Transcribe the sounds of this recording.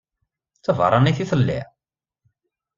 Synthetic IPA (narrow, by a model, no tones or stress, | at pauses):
t͡sːəvə̰ɾˤɑniθiθəlːḭʕ